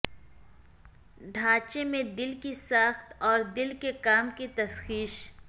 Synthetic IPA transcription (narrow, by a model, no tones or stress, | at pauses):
ɖʱaːt͡ʃemẽd̪ɪlkisəxt̪ɔːɾd̪ɪlkekaːmkit̪ɐsxiːʃ